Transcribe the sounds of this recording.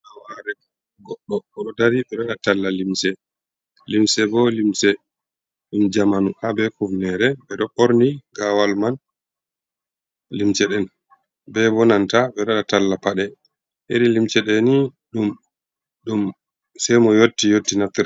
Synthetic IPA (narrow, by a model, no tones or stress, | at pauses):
awaɾɛ | ɡɔɗːɔɓɔɗɔdaɾibɛɗaɗatalːalimsɛ | limsɛbɔlimsɛ | ɗumd͡ʒamanuhabɛkuvnɛɾɛbɛɗɔʔoɾniɡawalman | limt͡ʃɛɗɛn | bɛbɔnantaɓɛɾaɗatalːapaɗɛ | ʔeɾilimt͡ʃɛɗɛniɗum | ɗum | sɛjmɔjotːijotːinat̪ːiɾ